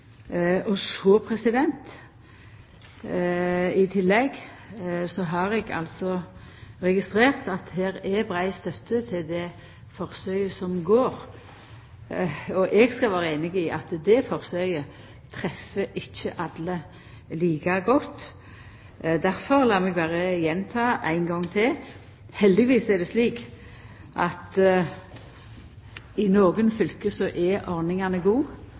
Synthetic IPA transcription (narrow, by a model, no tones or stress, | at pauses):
ɔsɔpʰɾɛsɪd̪ɛnt̪ | ɪt̪ʰɪlːɛɡ | sɔɦɑɾɛɡɑ̰lsɔ | ʁɛɡɪst̪ʁeːʁt̪ɑt̪heːɾɛbʁæɪst̪œt̪ʰːət̪ʰɪld̪ɛ | fɔɾsœʏəsɔmɡoːɾ | ɔʔɛɡskɑʋɑːɾəeːnɪɡɪʔɑt̪d̪ɛfɔʁsœʏə | t̪ʰʁɛfːəʔɪçːəʔɑd̪lə | liːkɑɡɔt̪ː | d̪æɾfɔʁlɑːmɛɡbæːɾəjɛnt̪ʰɑːæ̰ɪnɡɔŋt̪ʰɪl | hɛld̪ɪʋiːsɛd̪ɛsliːk | ʔɑt̪ | ɪnoːɡənfʏlkəsɔʔɛʔɔʁnɪŋɑnəɡuː